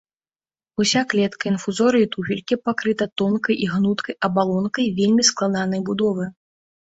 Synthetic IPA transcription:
usʲaklʲɛt̪kɐinfuzɔɾɨit̪ufʲilʲkʲipakɾɨt̪ɐt̪ɔnkɐjʔiɣnut̪kʰɐjɐbalˠɔnkɐjvʲelʲmʲisklˠad̪anɐjbud̪ɔvɨ

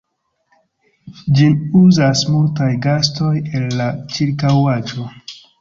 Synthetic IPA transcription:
d͡ʒinuzasmultajɡasto̞je̞lːat͡ʃiɾkawad͡ʒo̞

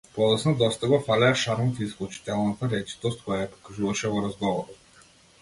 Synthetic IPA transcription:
pɔlˠɛsnad̪ɔst̪aɡɔfalʲɛaʃaɾmɔt̪iːsklˠut͡ʃi̥t̪ɛlˠnat̪aɾɛt͡ʃi̥t̪ɔst̪̚kɔjajapɔ̥kaʒuvaʃɛvɔɾazɡɔvɔɾɔt̪̚

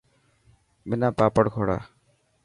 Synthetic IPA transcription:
mɪnãːpaːpəɽkʰoːɽa̰ː

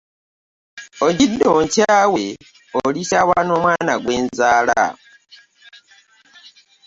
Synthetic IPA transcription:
oɟidːoːɲcaːwe | olisaːwaːno̞ːmwaːnaɡwe̞ːnzaːla̰

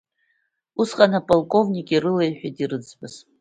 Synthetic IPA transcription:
usqʼanapʼalˠkʼo̞vnʲikʲʼirɨlejħᶣadirɨd͡zbɨz̥

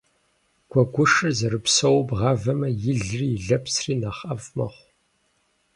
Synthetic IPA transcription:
ɡ̥ʷʰɔɡʷʊʂɨrzɐɾɨpsɐwbʁɑːvɐmɐjɪɮriɮɐpsriːnaːχɐfmɐ̰χʷ

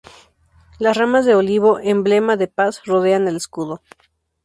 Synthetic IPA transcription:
lasramazðe̞o̞liβo̞ʔemble̞maðe̞pasro̞ð̞e̞ane̞leskuðo

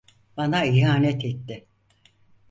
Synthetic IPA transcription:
banaiɦaːnɛt̪ʰɛt̪ːɪ

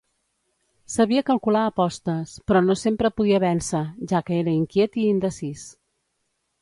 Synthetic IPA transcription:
səβiəkəlˠkulaːpɔst̪əspɾɔnosempɾəpuðiəβɛnsəʒakəeɾəiŋkjet̪iːnd̪əsis

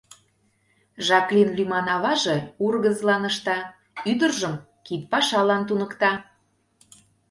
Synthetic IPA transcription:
ʒɑklinlymɑnɑβɑʒeurɣəzlɑnəʃt̪ɑ | yd̪ərʒəm | kit̪̚pɑʃɑlɑnt̪̬unəkt̪ɑ

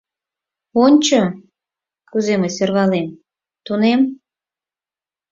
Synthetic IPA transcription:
onʲt͡ɕo | kuzemeserβɑlem | t̪unem

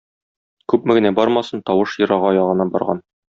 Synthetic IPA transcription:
kʉpmɘ̆ɡɘ̆næbɒɾmɑsɤnt̪ɒwɤʃjɤ̆ɾɑʁɑɒjɑʁɤ̆nɑbɒ̰ɾʁɑ̰n

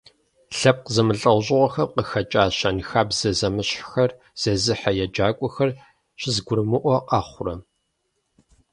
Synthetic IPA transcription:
ɬɐp̚qəzɐmɨɬʼɐwʑʼɪʁʷɔxɐqəxɐt͡ʃʼaːɕɐnxaːbz̥ɐzɐmɨɕʼxɐr | z̥ɐzɨħajɛd͡ʒaːkʷʼɔxɐr | ɕɪzɡʷʊɾɨmɨʔʷɔqɑːχʷʊrɐ

